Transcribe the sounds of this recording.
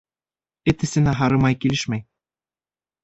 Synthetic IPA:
ɘ̆t̪ɘ̆sɘ̆næɦɑɾɤ̆mɑjkilʲɘ̆ʃmæj

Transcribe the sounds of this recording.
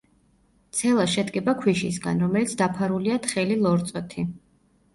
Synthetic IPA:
t̪sʰɛlˠaʃɛd̪kʼɛbakʰwiʃisɡanɾɔmɛlit̪sʰd̪apʰaɾuliat̪χɛlilˠɔɾt̪sʼɔt̪ʰi

